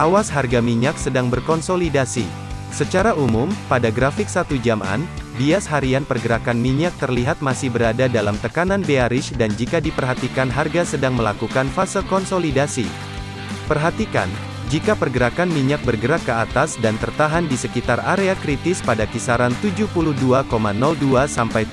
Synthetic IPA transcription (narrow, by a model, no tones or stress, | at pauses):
ʔawasɦarɡamiɲak̚sədaŋbərkɔnsolidasḭ | sət͡ʃaɾaʔumumpadaɡɾafɪk̚sat̪ud͡ʒama̰nbiasɦaɾianpərɡəɾakanmiɲak̚t̪ərliɦat̪̚masɪhbəɾadadalamt̪əkananbeaɾɪʃdand͡ʒikadipərɦat̪ikanɦarɡasədaŋməla̰kukanfasəkɔnsolidasḭ | pərɦat̪ika̰n | d͡ʒikapərɡəɾakanmiɲak̚bərɡəɾakːəat̪asdant̪ərt̪aɦandisəkit̪araɾeakɾit̪ɪspadakisaɾant̪ud͡ʒuhpuluhduakomanɔlduasampaj